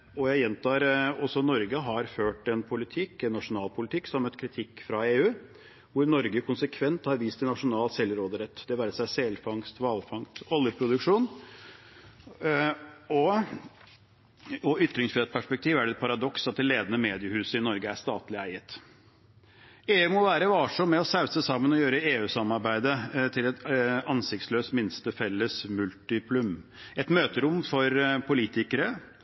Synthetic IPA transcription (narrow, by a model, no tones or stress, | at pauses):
ɔjæɪjɛnt̪ʰɑːɾɔsɔnɔɾɡəɦɑɾføːʈɛnpʰʊlɪt̪ʰɪkːɛnːɑʂʊnɑːlpʰʊlɪt̪ʰɪkːsɔmmœt̪ːkʰɾɪt̪ʰɪkːfɾɑeːʉː | ʋʊɾnɔɾɡəkʰʊnsəkʰʋɛnt̪hɑɾʋiːst̪ɪnɑʂʊnɑːlsɛlɾoːd̪əɾət̪ːd̪̥ɛʋæːɾəsæɪsɛlfɑŋst̪ʋɑːlfɑŋst̪ɔljəpʰɾʊd̪ʉkʂuːn | ɔ | ɔʏt̪ːɾɪŋsfɾɛt̪̚pʰæʂpɛk̚t̪ʰiːʋæɖɛt̪̚pʰɑɾɑd̪ɔksɑt̪̚d̪ɛleːd̪ənəmeːd̪ɪəhʉːsəɪnɔɾɡəæʂt̪ɑːt̪lɪæɪət̪ | eːʉːmɔʋæːɾəʋɑːʂɔmːɛɔsɑʉsəsɑmːənɔjøːɾəeːʉːsɑmːɑɾbæɪd̪ət̪ʰɪlɛt̪ɑnsɪkt̪sløːst̪mɪnst̪əfɛlːəsmʉlt̪ɪpʰlʉmɛt̪møːt̪əɾʊmːfɔɾpʰʊliːt̪ɪkəɾə